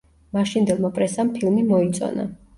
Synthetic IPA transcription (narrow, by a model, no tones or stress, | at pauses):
maʃind̪ɛlˠmapʼɾɛsampʰilˠmimɔit̪sʼɔ̰na̰